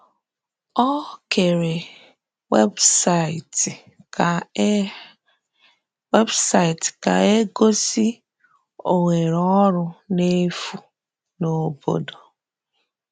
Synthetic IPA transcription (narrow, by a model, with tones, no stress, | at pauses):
ɔ˦ke˨ɾe˨ | we˦bsa˦˨t | we˦bsa˦˨i˨tka̰˨e˦ɡo˦si˦ | o̰˨ŋe˨ɾɔ˦ɾʊ˦ne˦fu˨ | no˦bo̰˦do˨